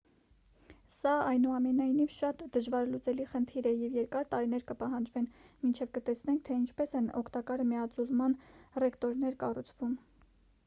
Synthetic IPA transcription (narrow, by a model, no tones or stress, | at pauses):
sɑɑjnuɑmɛnɑjnivʃɑt̪d̪əʒvɑɾlut͡sɛliχənt̪ʰiɾɛjɛvjɛɾkɑɾt̪ɑɾin̪ɛɾkəpɑɦɑnd͡ʒvɛnmint͡ʃʰɛvkət̪ɛsnɛŋkʰt̪ʰɛint͡ʃʰpɛsɛnɔ̰kʰt̪ɑkɑɾmɛɑt͡sʰulmɑnrɛkt̪ɔɾnɛɾkɑrut͡sʰv̥um